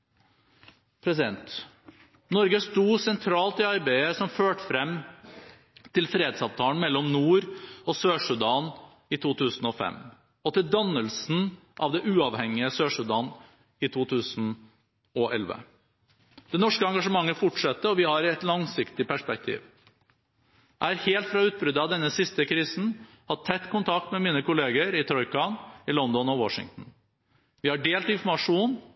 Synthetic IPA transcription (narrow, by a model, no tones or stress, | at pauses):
pʰɾɛsɪd̪ɛnt̪ | nɔɾɡəst̪uːsɛnt̪ʰɾɑːlt̪ɪɑɾbæɪəsɔmføːʈə̥fɾɛmː | t̪ʰɪlfɾeːd̪sɑːʋt̪ʰɑːən̩mɛlːɔmnuːɾɔsøːʂʉd̪ɑːn | ɪt̪ʰuːt̪ʰʉːsn̩ɔfɛ̰m | ɔt̪ɪld̪ɑnːəlsn̩ | ʔɑ̰ʋd̪ɛʔʉːɑʋhɛŋɪəsøːʂʉd̪ɑːn | ɪt̪ʰuːt̪ʰʉːsn̩ | ɔʔɛ̰lʋə̰ | d̪̥ɛnɔʂkəɑŋɡɑʂəmɑŋːəfʊʈʂɛt̪ːəɔʋɪhɑɾɛt̪lɑŋsɪkt̪ɪpæʂpɛk̚t̪ʰḭːʋ | ææɾheːlt̪fɾɑʉːt̪̚bɾʏd̪ːəɑʋd̪ɛnːəsɪst̪əkʰɾiːsn̩ | hɑt̪ʰːɛt̪ːkʰʊnt̪ʰɑk̚t̪mɛmiːnəkʊleːɡəɾɪt̪ʰɾɔʏkɑnɪlɔnd̪ɔnɔwɔʂɪ̰ŋt̪n̩ | ʋɪhɑɖeːlt̪ɪnfɔɾmɑʂuːn